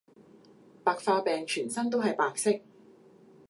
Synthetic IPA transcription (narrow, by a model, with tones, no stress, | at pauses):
paː˨˧k̚faː˧pɛː˨ŋt͡ʃʰyː˨˩nsɐ˥nt̪̬o˥wɦɐ˨jpaː˨˧k̚sɪ˥k̚